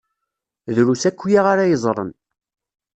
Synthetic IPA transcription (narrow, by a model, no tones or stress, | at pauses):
ðɾusækʷːjaʁaɾajəzˤɾˤə̰n